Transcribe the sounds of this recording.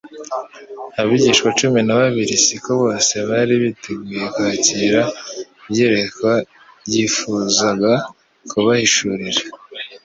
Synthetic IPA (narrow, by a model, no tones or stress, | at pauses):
aβiɟiːʃkwat͡ʃuminaβaβiɾisikoβo̞ːse̞βaɾiβiteɡuːje̞kuaciɾaβje̞ɾe̞kwa | jiːfuːzaɡa | kuβahiʃuɾiɾa